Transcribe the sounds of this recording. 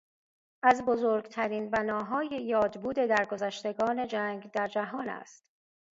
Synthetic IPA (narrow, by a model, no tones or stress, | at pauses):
ʔæzbo̞zoːɾɡt̪ʰæɾiːnbænɒːɦɒːjejɒːd̪buːd̪e̞d̪æɾɡo̞zæʃt̪e̞ɡɒːne̞d͡ʒæŋɡd̪æɾd͡ʒæɦɒːnæ̰st̪